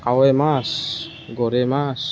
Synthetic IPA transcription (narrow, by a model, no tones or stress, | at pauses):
awemas | ɡoɾemas